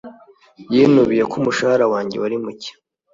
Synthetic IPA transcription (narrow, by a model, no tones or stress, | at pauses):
jinuβije̞kumuʃahaɾawaːɲɟewaɾimuce̥